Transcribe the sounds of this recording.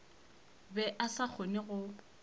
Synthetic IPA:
bɛʔasak͡xʰonɪɣʊ

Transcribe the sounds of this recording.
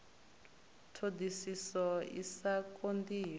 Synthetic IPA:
tʰodʱisisɔḭsakʼondiː

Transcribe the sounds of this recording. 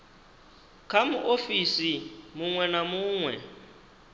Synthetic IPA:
kʰamuʔofisimuŋwɛnamuːŋwɛ̰

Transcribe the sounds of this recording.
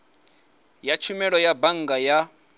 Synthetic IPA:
jat͡ʃʰumɛɺɔjabaŋ̩ɡaja

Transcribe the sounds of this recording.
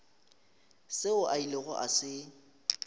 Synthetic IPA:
sɪʊʔailɪɣɔ̰ʔa̰sɪ

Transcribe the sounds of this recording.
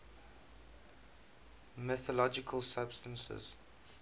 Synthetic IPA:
mɪθəlɔd͡ʒɪkʰəlˠsab̥stə̃nsə̰z̥

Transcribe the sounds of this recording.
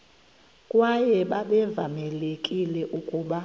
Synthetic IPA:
kʼwajɛɓaɓɛvamɛlekʼilɛʔukʼuːɓa

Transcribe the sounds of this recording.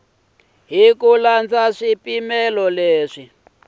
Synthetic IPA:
ɦikuland͡zaʂipimɛlɔleːʂi

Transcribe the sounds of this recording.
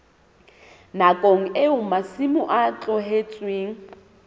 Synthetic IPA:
nakʼoŋ̩ɪʊmasimʊʔat͡ɬʼɔɦet͡sʼweːŋ̩

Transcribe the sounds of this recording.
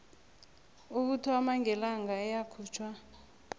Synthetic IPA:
uk̬utʰwamaŋɛlaŋɡaɛjakʰuːt͡ʃʰwa

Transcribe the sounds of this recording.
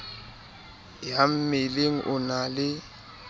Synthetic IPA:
jam̩meleŋ̩ʔʊnalɪ

